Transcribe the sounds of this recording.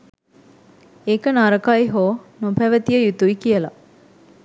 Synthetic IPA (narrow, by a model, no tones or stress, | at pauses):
ekənaɾəkajɦoːnopæʋət̪ijəjut̪uikijəla